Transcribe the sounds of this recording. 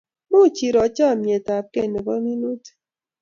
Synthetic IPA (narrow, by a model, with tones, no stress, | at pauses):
mu˦˨t͡ʃi˨ɾɔ˨˦t͡ʃa˦˨mje˨ta˨p̚ke˦˨ne˨kɔ˦ŋi˦nu˦t